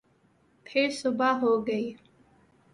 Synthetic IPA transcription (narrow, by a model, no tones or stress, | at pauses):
pʰeɾsʊbaːɦoːɡəiː